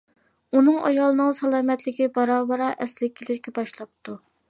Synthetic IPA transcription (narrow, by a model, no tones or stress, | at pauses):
unɨŋɑ̰jɑlˠɨnɨŋsɑlˠɑːmɛt̪lɪkʲibɑɾɑːbɑɾɑʔɛslɪkʲʰːelɪʃkʲɛbɑʃlˠɑp̚t̪ʰu